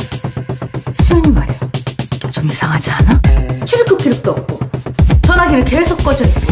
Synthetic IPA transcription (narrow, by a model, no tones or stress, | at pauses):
s͈ʰuoɲimaɾiot͡ɕomisʰaŋɦad͡ʑianat͡ɕʰiɾkʰɯp̚k͈ʰiɾɯk̚t͈oʌp̚k͈ot͡ɕʌnɦaɡiɾɯɭkesʰok̚k͈ʌd͡ʑʌdi